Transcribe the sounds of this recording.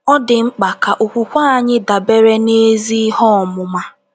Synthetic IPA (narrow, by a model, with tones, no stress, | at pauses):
ɔ˦dɪ˨ŋ͡m̩˦k͡pa˨ka˨ʔu˨kʷu˨kʷa˦a˦˨ɲɪ˦da˨be˦ɾe˦ne˦zi˦hɔ˦˨mʊ˨ma˦